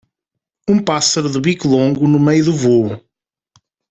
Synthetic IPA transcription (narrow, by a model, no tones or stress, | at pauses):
ũpasɐɾuðuβikulˠõŋɡunumejuðuvo